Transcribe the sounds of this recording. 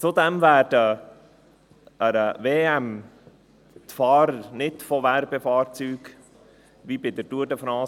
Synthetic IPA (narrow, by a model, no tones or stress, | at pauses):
t͡sud̪ɛmvæːɾd̥ə | əɾəveːɛm | t̪fɑːɾəɾnɪtfɔʋæɾbefɑːɾt͡syːɡ | ʋibɪd̪əɾduədəfɾɑː